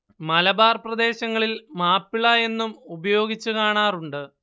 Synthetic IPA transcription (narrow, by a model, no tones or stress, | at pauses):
mɐlɐbaːrprɐd̪e̞ːɕɐŋːɐɭilmaːpːiɭɐje̞nːumubɐjo̞ːɡit͡ɕːukaːɳaːruɳɖɨ